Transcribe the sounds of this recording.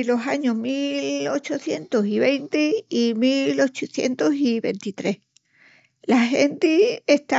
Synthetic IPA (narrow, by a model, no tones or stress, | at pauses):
lo̞saɲoɦmilo̞t͡ʃoθje̞nt̪osiβejnt̪iimilo̞t͡ʃuθje̞̰nt̪osiβe̞̰nt̪it̪ɾe̞h | lahent̪ieht̪a